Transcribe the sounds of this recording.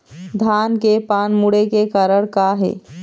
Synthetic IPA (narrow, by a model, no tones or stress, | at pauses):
d̪ʱankepanmuɽekekaɾəɽkaɦḛ